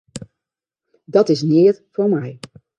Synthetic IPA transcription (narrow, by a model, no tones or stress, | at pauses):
dɑtɪsnɪːtv̥ʊːɹmɛj